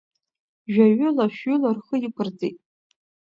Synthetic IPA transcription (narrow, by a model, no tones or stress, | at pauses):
ʒᶣaɥʊlaʃɥʏlarχəjɪpʰɨrd͡zejtʼ